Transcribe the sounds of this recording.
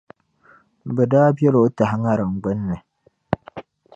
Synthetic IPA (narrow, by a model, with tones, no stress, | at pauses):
bɛ˨daː˦bjɛ˦lo˦ta˨hŋa˦ɾɨ˨ŋ̩˨ɡ͡bə˦nːɨ˨